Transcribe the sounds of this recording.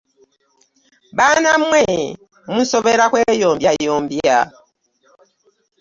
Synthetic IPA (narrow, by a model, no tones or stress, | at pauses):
banamwɛ | musɔβɛɾakwɛjɔmbjajɔmbja̰